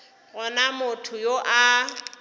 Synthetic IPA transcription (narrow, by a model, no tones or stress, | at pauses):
ɣʊnamʊtʰʊjoʔa